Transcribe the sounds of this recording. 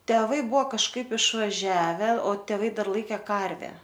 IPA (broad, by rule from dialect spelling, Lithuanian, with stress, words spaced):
tʲɛˈʋɐɪ ˈbʊʋoː kɐʃˈkɐɪp ɪʃʋɐˈʒʲæːʋʲɛ oː tʲɛˈʋɐɪ ˈdɐr ˈlˠɐɪkʲɛ ˈkɐrʲʋʲæː